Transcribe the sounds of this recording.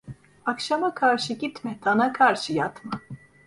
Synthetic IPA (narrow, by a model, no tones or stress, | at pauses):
akʃamakʰaɾʃɯɟit̪mɛt̪ʰanakʰaɾʃɯjat̪ma